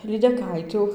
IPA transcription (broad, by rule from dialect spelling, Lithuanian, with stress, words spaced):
lʲiːdʲɛˈkɐɪtʲʊ